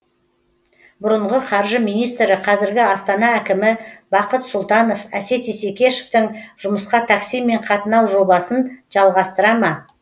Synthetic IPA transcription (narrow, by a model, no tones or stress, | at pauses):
bʊɾəɴʁəqʰɑɾʒəmijnijst̪ɾɪqʰɑzɪɾɡʲɪɑst̪ɑnɑækʲɪmɪbɑqət̪sʊlˠt̪ɑno̞fæse̞t̪ese̞kʲe̞ʃe̥ft̪ɪŋʒ̥ʊməsqɑt̪ʰaksijme̞ɴqʰɑt̪ənɑwʒo̞bɑsənʒɑlˠʁɑst̪əɾɑmɑ